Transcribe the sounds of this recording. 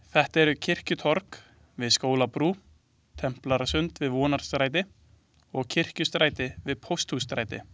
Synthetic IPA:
θɛht̪ɛɾʏcʰɪr̥cʏt̪ʰɔɾk | vɪðskoːwlapɾuː | t̪ʰɛm̥plaɾasʏnt̪vɪðvɔːnaɾ̥st̪ɾaːjt̪̬ɪ | ɔɣcʰɪr̥cʏst̪ɾaːjt̪ɪvɪðpʰowst̪hust̪ɾaːjt̪ɪ̰

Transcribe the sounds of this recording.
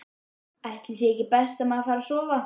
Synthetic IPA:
aht̪lɪsjejcɪpɛst̪amaðfaːɾasɔːva

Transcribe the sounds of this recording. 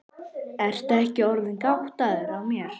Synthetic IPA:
ɛɾ̥t̪aɛhcɪɔɾðɪnkawht̪aðʏɾawmjɛɾ̥

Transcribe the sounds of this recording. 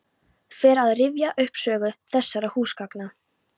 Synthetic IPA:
fɛːɾaðrɪvjaʔʏhpsœːɣʏθɛsːaɾahuːskakna

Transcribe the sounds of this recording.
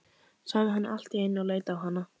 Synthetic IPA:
saɣðɪɦanːɪʔal̥t̪iejnːɪaleːjt̪aːwɦanːa

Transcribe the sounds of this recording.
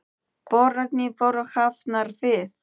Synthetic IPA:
b̥ɔɾaɡnivɔɾɔxafnarveːθ

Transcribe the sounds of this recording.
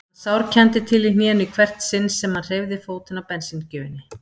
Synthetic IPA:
sawɾcʰɛnt̪ɪt̪ʰɪlinjɛːnʏkʰvɛr̥t̪sɪnsːɛmhanr̥ejvðɪfoːwt̪ɪnawpɛnsincʏːvɪnːɪ

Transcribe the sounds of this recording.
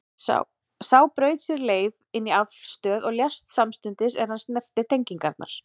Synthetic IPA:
sa̰w | saːwpɾœːɥt̪sɛɾleːjvɪnːiafst̪œːðɔɣljast̪samst̪ʏnt̪ɪsɛɾ̥hanst̪nɛr̥t̪ɪ̥t̪ʰejɲciŋkaɾt̪na̰ɾ̥

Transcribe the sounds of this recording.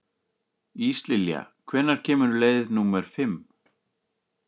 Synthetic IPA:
iist̪lɪlja̰kʰvɛnːaɾ̥cʰɛːmʏɾʏleːjððnumɛɾ̥fɪm

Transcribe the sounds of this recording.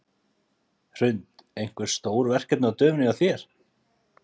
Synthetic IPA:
r̥ʏnt̪ejn̥kvɪɾ̥st̪oːwɾvɛr̥cɛt̪nat̪œːmnɪɣaθjɛɾ̥

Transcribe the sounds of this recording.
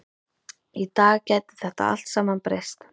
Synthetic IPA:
it̪aːɣcɛːt̪ɪ̥θɛht̪a̰a̰l̥t̪saːmanpɾejst̪

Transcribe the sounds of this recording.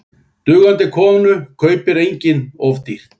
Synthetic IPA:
t̪ʏːɣant̪ɪkʰɔːmnʏkʰœːɥpɪɾejɲcɪnɔvt̪iɾ̥

